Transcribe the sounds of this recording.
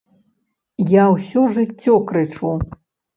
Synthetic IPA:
jawsʲɔʐɨt͡st͡sʲːɔkɾɨt͡ʂu

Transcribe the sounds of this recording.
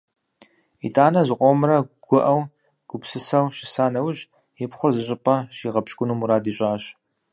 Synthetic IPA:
ḭtʰʼaːnɐzɨqʷɔmɾɐɡ̥ʷʊʔɐw | ɡ̥ʷʊpsɨsɐwʃɪsaːnɐwʊʑ | jɪpχʷʊrzɨɕʼɪpʼɐʃiːʁɐpɕkʷʼʊnumuɾaːdiːɕʼaːɕ

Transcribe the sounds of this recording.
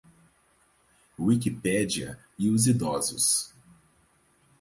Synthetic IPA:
wikipɛd͡ʒiɐ̰ | iʊzid̪ɔzʊ̰s

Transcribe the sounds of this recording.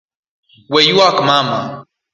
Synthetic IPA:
wejuakmama

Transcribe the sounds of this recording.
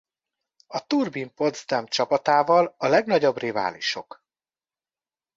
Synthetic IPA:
ɒt̪urbimpo̞d̪zd̪ɛmt͡ʃɒpɒt̪aːvɒlɒlɛɡnɒɟo̞briva̰ːlḭʃo̞̰k

